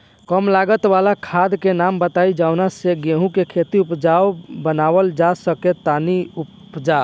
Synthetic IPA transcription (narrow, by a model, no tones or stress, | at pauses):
kəmlaɡət̪ʋalakʰad̪kenambət̪aid͡ʒaʊnaseɡeɦũkekʰet̪iupd͡ʒaobənaʋəld͡ʒasəket̪aniup | d͡ʒa